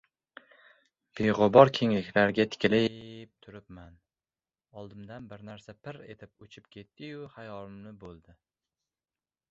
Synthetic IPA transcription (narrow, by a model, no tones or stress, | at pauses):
b̥ejʁʊbɒɾkʲʰe̞ŋlɪkʲlaɾɡʲat̪ʰɪ̥kʲlɪp̚t̪ʰʊɾɪpman | ɒlˠd̪ɪmd̪anbɪɾnaɾsapʰɪɾe̞̰t̪ʰɪpʊt͡ʃʰɪpkʲʰe̞t̪ʰːɪjʊhajɒɾʊmnɪbolˠd̪ɪ